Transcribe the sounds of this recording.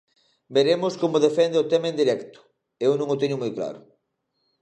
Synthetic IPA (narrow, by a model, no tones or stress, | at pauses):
beɾemʊskomʊðefɛnd̪eot̪ɛmaẽnd̪iɾɛkt̪ʊ̥ | ewnõŋot̪eɲʊmojkla̰ɾʊ̰